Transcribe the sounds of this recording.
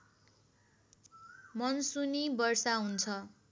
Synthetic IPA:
mʌnsunibʌrsaɦunt͡sʰʌ

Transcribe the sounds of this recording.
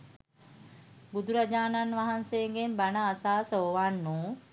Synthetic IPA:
bud̪ʱuɾad͡ʒaːnanʋaɦanseːŋɡenbanəːsaːsooʋanːuː

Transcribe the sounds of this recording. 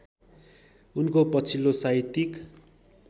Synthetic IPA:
unkopʌt͡sʰilːosait̪ik

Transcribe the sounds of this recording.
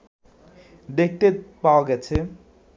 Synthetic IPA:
d̪ek̚ʰt̪epawoɡet͡sʰe

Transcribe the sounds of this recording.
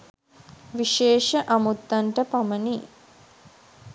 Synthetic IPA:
ʋiʃeːʃəʔamut̪ːanʈəpaməni

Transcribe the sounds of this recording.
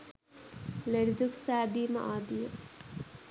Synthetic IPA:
leɾid̪uksaːd̪ima̰ʔaːd̪ijo

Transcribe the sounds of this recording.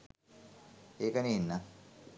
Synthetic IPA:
eːkəniinːa

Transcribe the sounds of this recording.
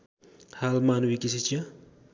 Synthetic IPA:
halmanwikis̬it͡ʃʰia

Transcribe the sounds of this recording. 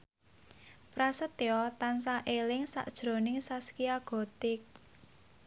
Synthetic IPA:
pɾasət̪eɔt̪ansaʔelɪŋsa̰ʔd̥ʒ̥ɾo̤nɪŋsaskiaɡ̥ɔ̤t̪ɪk̚

